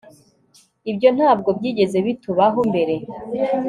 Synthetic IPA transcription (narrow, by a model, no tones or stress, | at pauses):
ibjo̞n̥haːb̚ɡo̞bɟiːɟe̞ze̞βituβaɦombe̞ɾe̞